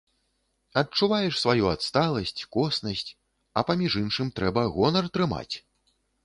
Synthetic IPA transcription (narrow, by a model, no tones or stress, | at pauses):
ɐt͡ʂːuvajɛʂsvajuat̪st̪alˠɐsʲt͡sʲkɔsnɐsʲt͡sʲ | ɐpamʲiʐɨnʂɨmt̪ɾɛbɐɣɔnɐrt̪ɾɨma̰t͡sʲ